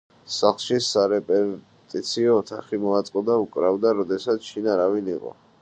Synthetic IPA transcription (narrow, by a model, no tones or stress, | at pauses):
saχlˠʃisaɾɛpʼɛ | t̪ʼit̪sʰiɔːt̪ʰaχimɔat̪sʼqʼɔd̪aukʼɾavd̪aɾɔd̪ɛsat̪sʰʃinaɾaviniqʼɔ̰